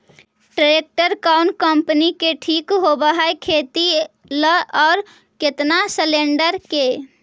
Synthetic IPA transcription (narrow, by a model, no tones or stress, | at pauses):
ʈəek̚ʈəɾkaʊnkəmpənikeʈʰikɦobəɦaekʰet̪i | ləʔɔːɾ | ket̪nasəleɳɖəɾke